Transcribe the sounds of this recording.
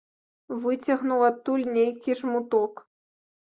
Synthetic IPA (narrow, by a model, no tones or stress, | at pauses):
vɨt͡sʲɐɣnuwat̪ːulʲnʲejkʲiʐmut̪ɔk